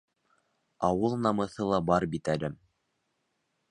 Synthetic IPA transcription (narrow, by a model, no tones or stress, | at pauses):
ɑwɤlˠnɑmɤ̆θɤlˠɑbɑɾbit̪ælɘm